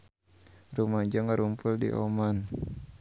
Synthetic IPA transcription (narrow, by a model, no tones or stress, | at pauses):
rumaɲd͡ʒaŋaɾumpuldḭʔɔ̰man